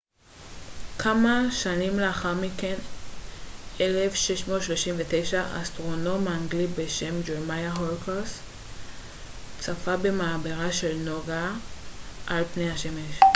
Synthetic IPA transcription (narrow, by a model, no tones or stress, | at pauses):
kʰamaʃanimleaχaʁmiken | elefʃeʃmo̞tʃloʃimvetejʃaa̰stʁo̞no̞maŋɡlibeʃemd͡ʒeʁmajaɦolkeʁs | t͡safabe̞maːbeʁaʃe̞lnoɡa | ʔalpnejhaʃemeʃ